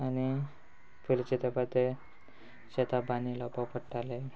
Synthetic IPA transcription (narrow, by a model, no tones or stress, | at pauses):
añi | pʰilit͡ɕet̪epat̪e | ɕet̪ʰabanilɔpapəʈːale